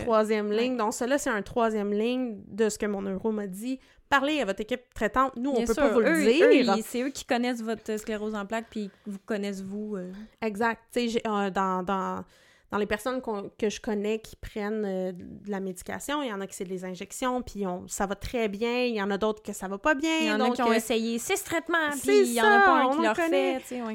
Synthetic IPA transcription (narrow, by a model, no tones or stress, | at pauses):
t̪χwazjɛmlɪ̃ŋd̪ɔ̃ksəlʌsɛɛ̃t̪χwazjɛmlɪɲd̪əsə̥kəmɔ̃nøʁomad̪d͡z̪i | paʁleavɔt̪χekʲɪp̚t̪χɛt̪ɑ̃t̪nuɔ̃pøɔvuløziːsɛøkʲʰi̥kɔnɛs̬vɔt̪χəskleʁozɑ̃plak̚pivukɔnɛsvuøɛɡzak̚t̪̚t͡seʒʔɔd̪ɑ̃d̪ɑ̃ | d̪ɑ̃lepɛʁsɔnkɔ̃kəʒəkɔnɛkʲʰi̥pχɛnøəlamed͡zi̥kʲa̰sjɔ̃iljɑ̃nakʲi̥sɛd̪lezɛ̃ʒɛksjɔ̃pʰiɔ̃savat̪χɛbjɛ̃iljɑ̃ːnad̪oʊt̪χkəsavɔpʌbjɛ̃ɑ̃nɔ̃kɔ̃esejesest̪χɛt̪mɑ̃spesjɑ̃nɔ̃nɑlʁɔfnɛsewɛ